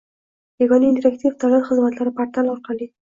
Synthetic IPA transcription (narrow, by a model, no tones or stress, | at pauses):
eɡɑnind̪ɪɾakt̪ift̪alaɾxɪzmat̪laɾapaɾt̪alawɾqali